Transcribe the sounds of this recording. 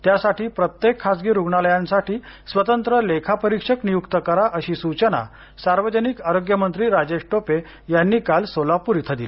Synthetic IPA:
t̪jasaʈiːpɾət̪jekʰːad͡zɡiːɾuɡɳaləjãnsaʈʰiːsʋət̪ənt̪ɾəlekʰapəɾikʂəknijukt̪əkəɾaʔəɕiːsut͡ɕəna̰ | saɾʋəd͡ʑənikaɾoɡjəmənt̪ɾiːɾad͡ʑeʂʈope | janːiːkalsolapuɾit̪ʰəd̪ile

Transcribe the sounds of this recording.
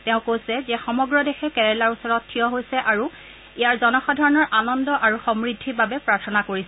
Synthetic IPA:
tɛʊ̃kojsɛzɛxɔmɔɡɹɔdɛxɛkɛɹɛlaɹusɔɹɔttʰːijɔɦojsɛʔaɹu | ijaɹzɔnɔxɔdʱɔɹɔnɔɹʔanɔndɔʔaɹuxɔmɹidʱːibabɛpɹaɹtʰɔnakoɹisɛ

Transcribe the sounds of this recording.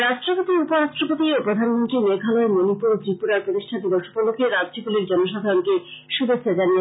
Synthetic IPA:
ɾaʃʈɾopot̪iupoɾaʃʈɾopot̪iopɾod̪ʱanmont̪ɾimekʰaloemonipoɾt̪ɾipuɾaɾpɾot̪iʃʈʰant̪ibɔʃupolokeɾad̪d͡ʑokuliɾd͡ʑɔnoʃ̬ad̪ʱaɾonkeʃud̪et͡ɕːʰad͡ʑanie

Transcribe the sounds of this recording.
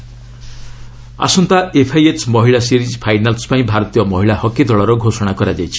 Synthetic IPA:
a̰sɔnt̪aepʰajet͡ʃmɔɦiɭasiɾid͡ʒpʰajnalspaĩbʱaɾɔt̪ijɔmɔɦiɭahɔkid̪ɔɭɔɾɔɡʱosɔɽ̃akɔɾad͡ʒajt͡ʃʰi̥

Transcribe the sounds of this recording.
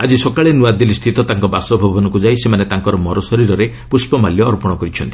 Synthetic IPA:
ad͡ʒisɔkaɭenuad̪ilist̪ʰit̪ɔt̪aŋkɔbasɔbʱɔbʱɔnɔkud͡ʒajsemanet̪aŋkɔɾɔmɔɾɔsɔɾiɾɔɾe | puspɔmaljɔːɾpɔɽ̃ɔkɔɾit͡ʃʰɔnt̪i̥

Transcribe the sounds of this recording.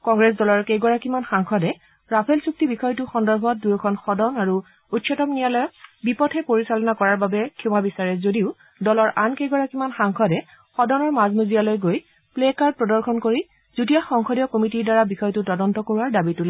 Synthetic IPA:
kɔŋɡɹɛsdɔlɔɹkejɡɔɹakimanxaŋkʰɔdɛ | ɹapʰɛlsuk̚tibixɔjtʊxɔndɔɹbʱɔt̚dujɔkʰɔnxɔdɔnaɹu | utʃʰɔtɔmnijalɔjɔbipɔtʰɛpoɹisalɔnakɔɹaɹbabɛkʰiw̃abisaɹɛzodiʊ | dɔlɔɹʔankejɡɔɹakimanxaŋkʰɔdɛ | xɔdɔnɔɹmazmuzijalojɡoj | plekaɹd̚pɹɔdɔɹkʰɔnkoɹi | z̥utijaxɔŋkʰɔdijɔkomitiɹdaɹabixɔjtʊtɔdɔntɔkoɹuaɹdabitʊlɛ

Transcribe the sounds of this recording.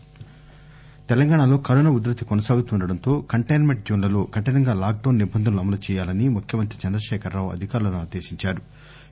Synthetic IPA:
t̪ɛlɐŋɡaːɳɐlo̞ːkɐɾoːnɐud̪ɾɐt̪ikɔnɐsaːɡut̪uɳɖɐɽɐnt̪o̞ːkɐɳʈɐjnmeɳʈ̚d͡ʒuːnlɐloːɡɐʈɐnɐŋɡaːlaːk̚ɖɐːnːibʱɐnd̪ʱɐnluɐmɐlut͡ʃɛːjaːlɐnimukʰjɐmɐnt̪ɾit͡ʃɐnd̪ɾɐʃɛːkʰɐɾːaːʋuɐ̰d̪ʱikaːɾulɐnuaːd̪e̞ːʃiɲt͡ʃaːɾu

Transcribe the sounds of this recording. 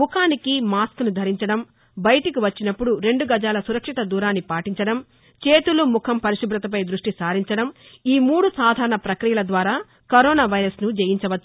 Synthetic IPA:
mukʰaːnikimaːskunud̪ʱɐɾiɲt͡ʃɐɽɐm | bɐjɐʈikiʋɐt͡ʃːinɐpːuɽuɾe̞ɳɖuɡɐd͡ʒaːlɐsuɾɐkʂit̪ɐd̪uːɾaːnːipaːʈiɲt͡ʃɐɽɐm | t͡ʃe̞ːt̪ulumukʰɐmpɐɾiʂubʱɾɐt̪ɐp̬ɐjd̪ɾuʂʈisaːɾiɲt͡ʃɐɽɐm | iːmuːɽusaːd̪ʱaːɾɐɳɐpɾɐkɾijɐlɐd̪ʋaːɾaː | kɐɾɔːnaːʋɐjɾɐsnud͡ʒejiɲt͡ʃɐʋɐt͡ʃːu

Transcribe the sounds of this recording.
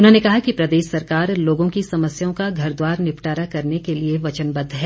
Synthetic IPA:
ʊnɦõnekɐɦakipɾɐd̪eːʃsɐɾkaːɾloːɡõkisɐməsjõkaɡʱɐɾd̪waːɾnɪpʈaːɾakɐɾnekelieʋɐt͡ʃənbɐd̪ʱɦɛː

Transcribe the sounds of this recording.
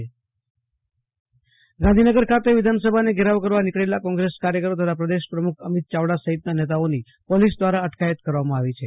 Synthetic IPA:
ɡãnd̪ʱinəɡəɾkʰat̪eʋid̪ʱansəbʱaneɡʱeɾaʋkəɾʋanikɭelakɔ̃ŋɡɾeskaɾjəkəɾot̪ət̪ʰapɾəd̪eʃpɾəmukʰəmit̪̚t͡ʃaʋɽasəɦit̪nanet̪̬aoni | polis̬d̪ʋaɾaəʈkajət̪kəɾʋamãaʋit͡ʃʰe

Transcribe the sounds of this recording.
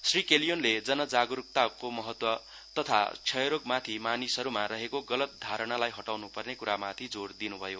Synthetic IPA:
srikelijonled͡zʌnʌd͡zaɡuɾuk̚t̪akomʌɦʌt̪wʌ | t̪ʌt̪ʰa̰t͡sʰʌjɾoɡmat̪ʰimanisʌɾumaɾʌɦekoɡʌlʌt̪̚d̪ʱaɾʌɽ̃alajɦʌʈawnupʌrnekuɾamat̪ʰid͡zord̪inubʱʌjo

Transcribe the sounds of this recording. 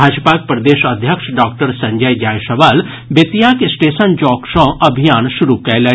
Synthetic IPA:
aːd͡ʒpak̚pɾɐd̪eːʃɐd̪ʱjəkʃɖaːk̚ʈəɾsɐ̃ɲd͡ʒəjd͡ʒaːjʃɐʋaːl | bet̪ijakesʈeːʃənd͡ʒɔːkʃɔ̃ʔɐbʱijaːnʃʊɾukɐlə

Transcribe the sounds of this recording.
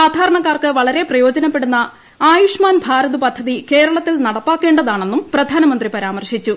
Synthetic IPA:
aːd̪ʱaːɾɐɳɐkːaːrkɨʋɐɭɐɾe̞prɐjo̞ːd͡ʑɐnɐpːe̞ɽunːɐ | aːjuʂmaːnbʱaːɾɐðupɐd̪ʱːɐðike̞ːɾɐɭɐt̪ːilnɐɽɐpːaːkːe̞ːɳɖɐðaːɳe̞nːumprɐd̪ʱaːnɐmɐnd̪ripɐɾaːmɐrɕit͡ɕːu

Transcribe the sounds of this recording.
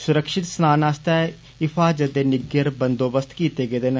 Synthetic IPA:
sʊɾəkʃɪt̪snaːnaːst̪ɛː | ɪpʰaːd͡ʒət̪eːnɪɡəɾbənd̪oːbəst̪kiːt̪eːɡeːd̪en

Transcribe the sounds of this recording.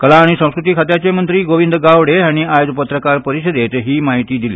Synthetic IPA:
kəlaːɽ̃isə̃w̃skɾut̪iːkʰat̪jat͡ɕemənt̪ɾiːɡoʋind̪əɡaʋɽeaɽ̃iajod͡zpət̪ɾəkaɾpəɾiɕəd̪et̪ɦiːmaɦit̪iːd̪ilḛ

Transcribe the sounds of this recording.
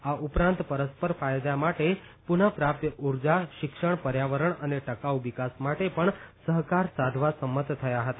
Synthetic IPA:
aʔupɾãnt̪pəɾəspəɾfajd̪jamaʈe | punapɾap̚t̪əʔuɾd͡ʒaʃɪkʃəɳpəɾjaʋəɾəɳəneʈəkauʋikasmaʈepəɳsəɦkaɾsad̪ʱʋasəmːət̪t̪ʰːəjaɦət̪a

